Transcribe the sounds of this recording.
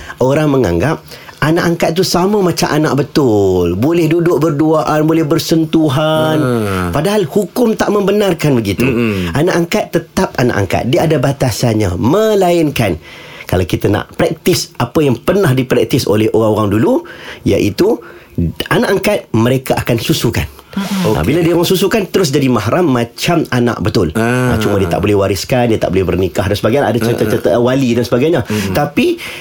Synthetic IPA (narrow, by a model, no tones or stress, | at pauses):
ʔoɾaŋməŋa̰ŋɡap̚anaʔaŋkat̪̚t̪ːusaməmat͡ʃamʔana̰ʔ̚bət̪ʊlbolɛhdudʊʔ̚bərduaʔanbolɛhbərsənt̪uɦanpadaɦalhukʊmt̪aʔmə̃mbənarkanbəɡit̪uanaʔaŋkat̪ːət̪ap̚ana̰ʔa̰ŋka̰t̪̚diaadabat̪asanɲa̰mə̃laɪnkankalawkit̪ana̰ʔpɾɛk̚t̪ɪsapəjaŋpərnahdipɾɛk̚t̪ɪso̰lɛhoɣaŋoɣaŋduluja̰ʔit̪u | anaʔaŋkat̪̚məɾekaʔakansusuka̰n | a̰biladioɣaŋsusukant̪əɾʊs̬d͡ʒadimaɦaɾamːãt͡ʃamana̰ʔbət̪ʊla̰t͡ʃumadiət̪a̰ʔbolɛhwaɾɪskandiət̪a̰ʔbolɛhbərnikaɦdansəbaɡajaʔadat͡ʃət̪ət̪ət̪walidansəbaɡajɲat̪api